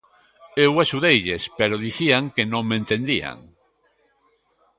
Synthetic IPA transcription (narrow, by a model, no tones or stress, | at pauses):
ewaʃuðejʎespeɾoðiθiaŋkenõŋmẽnt̪end̪ia̰ŋ